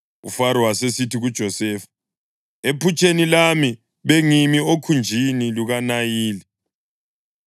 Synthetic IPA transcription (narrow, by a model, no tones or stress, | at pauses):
ṵfaɾɔwasesitʰiɣud̥ʒ̥ʱɔsɛːfḁ | epʰut͡ʃʰʼenilami | βeŋimiokʰund͡ʒʱiniluɣanajiːli